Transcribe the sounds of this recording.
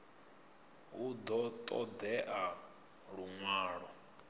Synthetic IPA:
ud̪ɔt̪ʼɔd̪ɛʔa | ɺuŋwaːɺɔ

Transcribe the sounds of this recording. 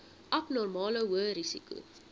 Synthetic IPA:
ʔɐpnɔrmɑːləwuəɾisḭkṵ

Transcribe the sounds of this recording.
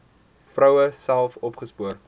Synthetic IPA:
frœwəsælˠfɔpχəspuər

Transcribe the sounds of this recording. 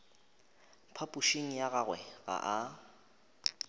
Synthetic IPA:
pʰapʼuʃiŋ̩jaɣaɣwɛɣa̰ʔa

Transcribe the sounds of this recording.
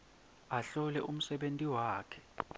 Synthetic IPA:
aɬɔlɛʔum̩sɛɓentʼiwaːkʰɛ̥

